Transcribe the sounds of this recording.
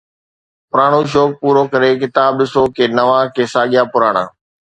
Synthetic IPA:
pʊɾaːɽ̃uʃ̬oːk̚puːɾokɐɾek̬ɪt̪aːbɗɪsoːkʰeːnɐʋãːkeːsaːɠɪjapʊɾaːɽ̃ã̰ː

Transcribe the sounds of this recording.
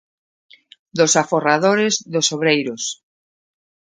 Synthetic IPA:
d̪osaforaðoɾezðosoβɾejɾos

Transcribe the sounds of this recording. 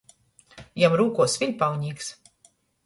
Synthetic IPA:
jamɾuːkuɔsvilʲpawɲiːks

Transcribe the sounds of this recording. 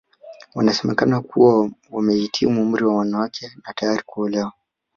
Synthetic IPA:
wanasɛmɛkanakʰuwawamɛhitʰimum̩ɾiwawanawakʰɛnatajaɾikuɔlɛwa

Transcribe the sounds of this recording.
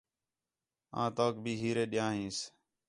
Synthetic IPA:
ã̰ːt̪oːk̚bʱiːɦiːɾeːɗɪjãːɦĩːs

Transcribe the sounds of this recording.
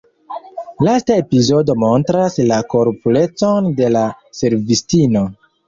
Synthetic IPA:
lastae̞pizo̞do̞mo̞ntɾaslako̞ɾpule̞t͡so̞nde̞la | se̞ɾvistino̞

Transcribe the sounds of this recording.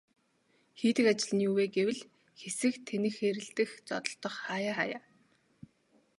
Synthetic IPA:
xiːt̪ɘ̆kat͡ɕɪ̆ɮ̆niuːweːɡewɘ̆ɮ | xesɘ̆xt̪ʰenɘ̆xxeɾɘ̆ɬt̪ɘ̆xt͡sɔ̰t̪ɞ̆ɬt̪ɞ̆χχaːjaːχa̰ːjaː

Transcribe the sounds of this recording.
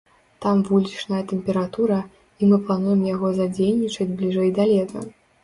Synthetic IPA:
t̪amvulʲit͡ʂnɐjɐt̪ɛmpʲɛɾat̪uɾɐ | imɨplˠanujɛmjaɣɔzad͡zʲelʲnʲit͡ʂɐd͡zʲblʲiʐɛjd̪alʲɛt̪ɐ̰

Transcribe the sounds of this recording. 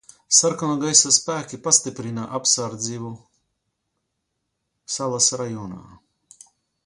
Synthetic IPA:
saɾkɔnɔɡajsaspæːkʲipast̪ipɾinaʔapsaɾd̪ziːvu | salˠasɾajɔːna̰ː

